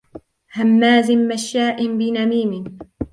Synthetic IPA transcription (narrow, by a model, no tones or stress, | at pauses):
hamːaːzɪmmaʃːaːʔɪmbɪnamiːmɪ